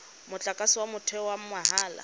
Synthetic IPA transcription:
mʊt͡ɬʼakʼasɪwamʊtʰɛwam̩maɦaːla̰

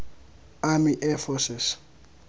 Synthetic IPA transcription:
amiʔɛfɔsɪs

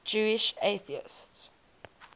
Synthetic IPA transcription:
d͡ʒuːɪʃeɪθiɪ̰sts

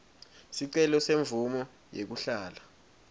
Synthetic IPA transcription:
siǀɛlɔseɱbvumɔ | jek̬uɬaːla

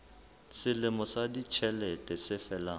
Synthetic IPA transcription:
sɪlɪmɔsadit͡ʃʰɛlɛtʼɛsɪfɛlaː

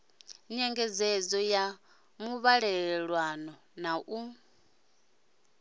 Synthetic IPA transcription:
ɲɛŋɡɛd͡zɛd͡zɔja | muβaɺɛɺɺwanɔ | naʔu

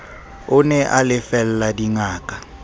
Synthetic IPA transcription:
ʊnɛʔalɪfɛl̩ladiŋaːkʼḁ

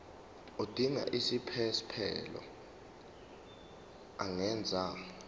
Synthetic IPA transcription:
od̥ʱiŋa̰ʔisipʰɛspʰɛ̰lɔ̰ | aŋɛnd͡zʱa

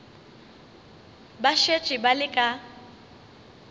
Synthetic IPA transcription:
baʃet͡ʃʼɪbalɪkʼa

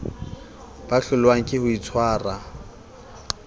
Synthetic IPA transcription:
b̥aɬʊlwaŋ̩kʼɪhʊit͡sʰwaːra

